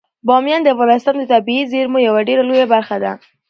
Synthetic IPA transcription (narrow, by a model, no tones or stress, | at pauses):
bɑmjɑnd̪əafɣɑnɪɪst̪ɑnd̪ət̪abiizeɾmojawaɖeɾalojabaɾxad̪a